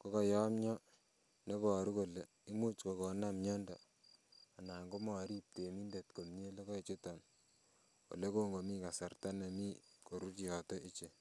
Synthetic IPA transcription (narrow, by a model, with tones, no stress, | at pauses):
ko˦kɔ˨jɔ˦mɲɔ˦ | ne˦bɔ˨ɾu˦ko˨le˨ | i˦mu˦t͡ʃko˨kɔ˨namɲɔ˦ndɔ˨ | a˨na˨ŋɡo˦mɔ˨˦ɾi˦p̚te˨mi˦nde˨tko˨mɲe˦le˦kɔ˦e˨t͡ʃe˦tɔ˨n | o̰˨le˦ko˦ŋɡo˨mi˦ka˨sa˨rta˦ne˨mi˦ko˨ɾu˦t͡ʃjɔ˨tɔ˦ʔi˦t͡ʃe˨